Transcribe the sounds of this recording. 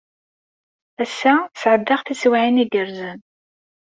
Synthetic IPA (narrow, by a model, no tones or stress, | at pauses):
æsːæsʕəd̪ːaʁθiswʕiniɡəɾzən